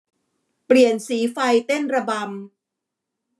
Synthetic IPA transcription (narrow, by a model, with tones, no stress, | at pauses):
pli˨˩ənsiː˩˦fa˧jt̪e˥˩nɾa˧ba˧m